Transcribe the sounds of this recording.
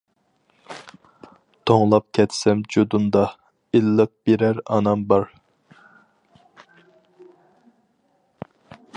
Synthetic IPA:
t̪ʰoŋlˠɑp̚kʲʰɛt̪ʰsɛmd͡ʒod̪und̪ɑ | ilːɨp̚beɾæɾɑ̰nɑmbɑɾ

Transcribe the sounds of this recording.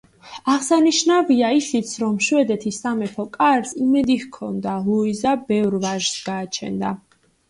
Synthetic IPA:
aʁsaniʃnaviaisit̪sʰɾɔmʃwɛd̪ɛt̪ʰisamɛpʰɔkʼaɾsimɛd̪ihkʰɔ̰nd̪alˠuizabɛvɾvaʒsɡaːt͡ʃʰɛ̰nd̪a

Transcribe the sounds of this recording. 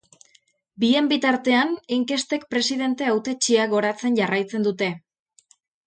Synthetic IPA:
bie̞mbit̪aɾt̪e̞aniŋke̞st̪e̞kpɾe̞siðe̞nt̪e̞awt̪e̞t͡ʃiaɣo̞ɾat͡se̞nʝarajt͡se̞nd̪ut̪e̞

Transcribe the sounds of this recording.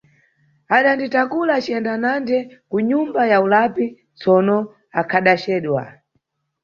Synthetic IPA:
aɗanditakulat͡ʃiɛndanandɛkuɲumbajaulapi | t͡sɔnɔ | akʰaɗat͡ʃɛːɗwa̰

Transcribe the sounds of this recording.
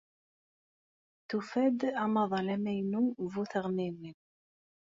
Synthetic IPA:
θufæd̪æmɑðˤɑlæmæjnuvuθʁnimim

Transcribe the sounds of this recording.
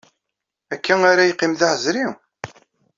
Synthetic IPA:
ækʰːæŋaɾæjqːimðaħəzɾi

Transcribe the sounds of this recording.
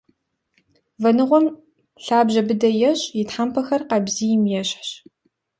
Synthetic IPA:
vɐnɨʁʷɔm | ɬaːbʑɐbɨdɐjɛɕʼjɪtħampʰɐxɐrqɐbziːjɪmjɛɕħɕ

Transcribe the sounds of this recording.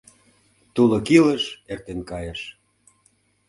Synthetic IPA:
t̪ulokiləʃert̪enkɑjəʃ

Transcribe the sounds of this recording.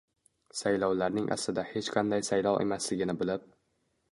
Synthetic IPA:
sajlɒwlaɾnɪŋʔa̰slɪd̪ahe̞t͡ʃqʰɑnd̪ajsajlˠɒwʔe̞̰maslɪɡʲɪnɪbɪlɪp̚

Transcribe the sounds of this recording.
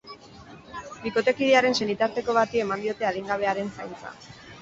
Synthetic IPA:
ɡiko̞t̪e̞kiðeaɾe̞nse̞nit̪aɾt̪e̞ko̞β̞at̪ie̞mand̪io̞t̪e̞að̞iŋɡaβ̞e̞aɾe̞nsajnt͡sa̰

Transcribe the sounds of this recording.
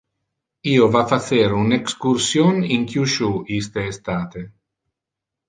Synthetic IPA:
iːovafaseɾunekskursjoniŋkjuʃuist̪eːst̪aːt̪e

